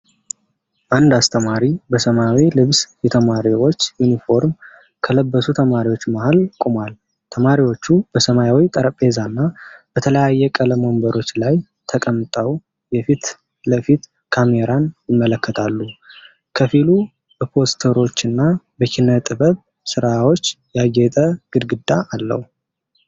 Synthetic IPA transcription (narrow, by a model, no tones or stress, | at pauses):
ʔand̪ast̪ʰəmaɾibəsəmajawilɨβsjɛt̪ʰəmaɾiwo̞t͡ʃːjunifo̞ɾm | kʰələbːəsut̪ʰəmaɾiwo̞t͡ʃːmahalkʼumal | t̪ʰəmaɾiwo̞t͡ʃːubəsəmajawit̪ʼəɾəpʼe̞zanːab̥ət̪ʰələjajːɛkʼələmo̞mbəɾo̞t͡ʃːlaj | t̪ʰəkʼəmt̪ʼəw | jɛfit̪ | ləfit̪ | kʰame̞ɾanjɪmːələkːət̪ʰalːu | kʰəfilu | b̥əpʰo̞st̪ʰəɾo̞t͡ʃːɨnːa | bəkʰinːət̪ʼɨbəβ | sɨɾawo̞t͡ʃːjaɡet̪ʼəɡ̥ɨd̪ɡɨd̪aalːə̰hu